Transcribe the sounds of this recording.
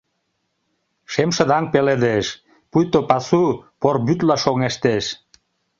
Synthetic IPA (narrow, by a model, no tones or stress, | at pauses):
ʃemʃə̆d̪ɑŋpeled̪eʃ | pujt̪opɑsuporbyt̪̬lɑʃoŋeʃt̪eʃ